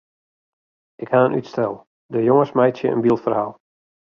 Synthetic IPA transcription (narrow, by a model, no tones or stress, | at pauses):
ʔɪkhaənʔytstɛlˠ | dəjoŋəsmɛjtsjə̰ʔə̰nbilˠtfərhaːlˠ